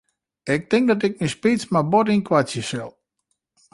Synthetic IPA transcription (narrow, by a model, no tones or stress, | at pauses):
ɪk̚tɪŋk̚dɔtɪk̚nispit͡smabotinkʰwat͡sjəsɪlˠ